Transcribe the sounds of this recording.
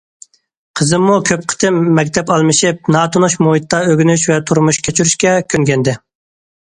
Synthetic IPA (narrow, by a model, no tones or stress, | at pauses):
qʰəzɨmːukʲʰøp̚qʰə̥t̪ʰɪmːɛkʲt̪ʰɛpɑlˠmɨʃip̚nɑːt̪ʰunuʃmuɦit̪ːɑøɡʲynyʃvɛt̪ʰuɾmuʃkʰʲet͡ʃʰyɾyʃkʲɛkʲʰøŋɡʲɛnd̪ɪ